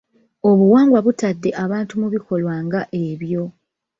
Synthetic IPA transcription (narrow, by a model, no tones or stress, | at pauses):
o̞βuwaːŋɡwaβutadːe̞ʔaβaːntumuβiko̞lwaːŋɡaʔeβjo̞